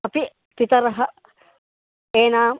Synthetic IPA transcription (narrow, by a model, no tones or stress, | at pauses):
ɐpi | pit̪ɐɾɐɦɐ | eːnaːm